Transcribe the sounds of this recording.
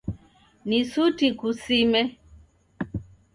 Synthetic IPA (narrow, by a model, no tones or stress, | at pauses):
nisutikusimɛ